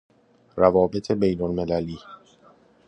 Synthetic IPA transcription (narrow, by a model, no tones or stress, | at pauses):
ɾævɒːbe̞t̪ʰe̞be̞jnolmelæliː